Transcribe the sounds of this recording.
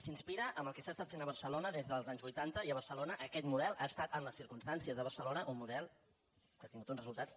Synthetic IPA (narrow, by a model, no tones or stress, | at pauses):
sinspiɾəʔəməlˠkɛsaːst̪at̪fenəβərsəlonəðezðəlˠzaɲzβujt̪ant̪əiəβ̞ərsəlonəʔəkɛt̪muðɛlˠʔaəst̪at̪əmləsːiɾkumst̪ansiəzðəβəɾsəlonəʔumːuðɛlˠ | kat̪iŋɡut̪unzrəzulˠt̪at͡s